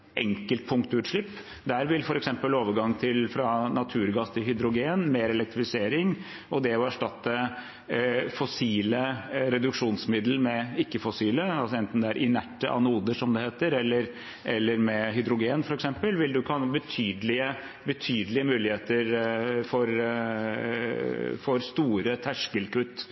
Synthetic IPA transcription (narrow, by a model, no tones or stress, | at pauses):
ʔɛ̰ŋkəlt̪̚pʰʊŋkt̪ʉːt̪ʂɭɪpː | d̪æːɾʋɪlfɔɾɛksɛmpəloːʋəɾɡɑŋːt̪ʰɪlfɾɑnɑt̪ʰʉːɾɡɑst̪ʰɪlhʏd̪ɾʊɡeːnmeːɾɛlɛk̚t̪ɾɪfɪseːɾɪŋ | ɔd̪ɛɔæʂʈɑt̪ːə | fɔsiːləɾɛd̪ʉkʂuːnsmɪd̪l̩mɛɪkːəfɔsiːləɑlsɔɛnt̪n̩d̪ɛæɾʔɪnæʈːəʔɑ̰nəuːd̪əʂɔmd̪ɛheːt̪əɾɛlːəɾ | ʔɛlːəɾmɛɦʏd̪ɾʊɡeːnfɔɾɛksɛmpəlʋɪld̪ʉkʰɑnbət̪ʰyːd̪lɪə | bət̪ʰyːd̪əlɪəmʉːlɪheːt̪əɾfɔɾ | fɔɾst̪uːɾət̪ʰæʂkəlkʉt̪ː